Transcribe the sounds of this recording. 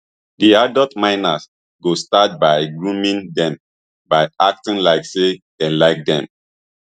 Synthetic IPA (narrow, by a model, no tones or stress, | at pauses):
diadɔtmãɪnas | ɡostat̚baɪɡɹũmĩndɛ̃m | baɪak̚tĩnlaɪksed̥ɛ̃laɪk̚dɛ̰̃m